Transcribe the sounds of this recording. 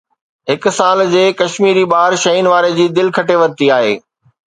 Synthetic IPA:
ɦɪk̆saːld͡ʑeːkɐʃmiːɾibaːɾʃɐiːnʋaːɾed͡ʑiːd̪ɪlkʰɐʈeʋɐɾt̪iaːɦḛː

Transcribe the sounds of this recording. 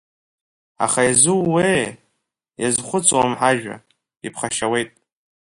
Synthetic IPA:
a̰χajazɨwːej | jazχʷʊt͡sʼwamħaʒᶣa̰ | ipʰχaʃawe̞jtʼ

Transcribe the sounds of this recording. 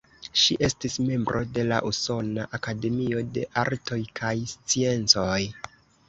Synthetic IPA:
ʃiʔe̞stisme̞mbɾʔo̞de̞la̰ʔuso̞naʔakade̞mio̞de̞ʔaɾtʰo̞jkʰajst͡sie̞nt͡so̞j

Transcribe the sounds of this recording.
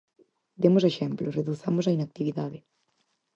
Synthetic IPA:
d̪emoseʃɛmploreðuθamosɐinak̚t̪iβiðaðɪ

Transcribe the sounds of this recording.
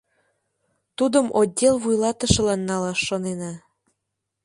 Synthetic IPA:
t̪ud̪əmʔodʲːelβujlɑt̪ə̆ʃɤ̆lɑnːɑlɑʃːonenɑ

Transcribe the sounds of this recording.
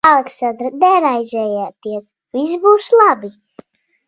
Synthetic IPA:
alˠɛksand̪ɾanɛɾajzʲɛːjaːt̪iɛs | visbuːslˠabi

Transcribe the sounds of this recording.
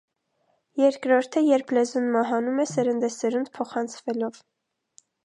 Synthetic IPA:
jɛɾkɾɔɾt̪ʰəjɛɾpʰlɛzunmɑɦɑnumɛsɛɾənd̪ɛsɛɾunpʰɔχɑnt͡sʰvɛlɔv

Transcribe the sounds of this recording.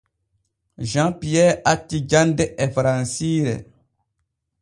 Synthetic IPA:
ʒãpijɛːatːid͡ʒandɛʔɛfɾansiɾɛ̰

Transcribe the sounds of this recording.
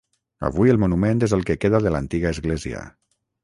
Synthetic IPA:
ə̰βujelˠmunumẽnt̪ezəlˠkekeðaðələnt̪iɣəːzɣleziə̰

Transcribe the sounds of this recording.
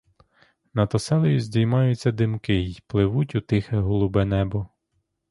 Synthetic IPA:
nɐt̪ɔsɛlˠɔjʊzʲdʲijmɑjʊt͡st͡sʲːɐd̪ɪmkɪjplˠɪʋutʲut̪ɪxɛɦɔlˠʊbɛnɛbɔ

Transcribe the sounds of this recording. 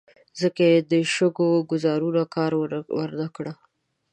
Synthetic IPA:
zəkaed̪əʃəɡoɡʊzɑɾunakɑɾwa̰ɾnakɽa

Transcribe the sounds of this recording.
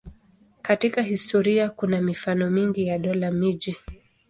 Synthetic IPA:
katikahistɔɾiakunamifanɔmiŋɡijaɗɔlamiʄi

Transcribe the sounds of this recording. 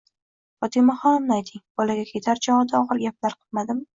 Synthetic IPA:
fɒt̪ʰimahɒmnajt̪ʰɪŋb̥ɒlaɡʲakʲʰet̪ʰaɾd͡ʒɒɑd̪aɒʁɨɾɡʲap̚laɾqʰɨ̥lˠmad̪ɪm

